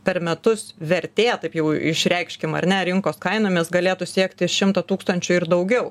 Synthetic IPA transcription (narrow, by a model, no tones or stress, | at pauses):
pʲɛɾmʲɛt̪ʊsʋʲɛɾʲt̪ʲeːt̪ɐɪpjɛʊɪʃʲɾʲɛɪkʃʲkʲɪmɐ̰ɾʲnʲɛɾʲɪŋkoːskɐɪnoːmʲɪsɡɐlʲeːt̪ʊsʲiɛkt̪ʲɪʃʲɪmt̪ɐt̪uːkst̪ɐnʲt͡ʃʲʊɪɾd̪ɐʊɡʲɛʊ